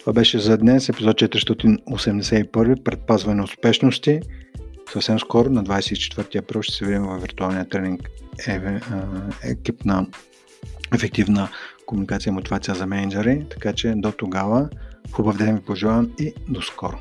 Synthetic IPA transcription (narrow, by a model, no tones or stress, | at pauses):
t̪ovabɛʃɛzɐd̪nɛsɛpizɔt̪̚t͡ʃɛt̪ɾist̪ɔt̪inosɛmd̪ɛsɛipɤɾvipɾɛt̪̚pazvɐnɛʊspɛʃnost̪i | səfsɛmskɔɾʊnɐd̪vajsɛit͡ʃɛ̥t̪vəɾt̪iɐpɾilˠʃt̪ɛ̥sɛvid̪imɛvɐvːiɾt̪ualˠnijət̪ɾɛniŋk | ɛ̰kipnə | ɛfɛk̚t̪ivnəkomunikat̪sijəimot̪ivat̪sijəzɐmɛnɐd͡ʒɛɾit̪ɐ̥kat͡ʃɛd̪ot̪oɡavəxubɐvd̪ɛmɡʲipoʒivˠavmid̪oskɔɾʊ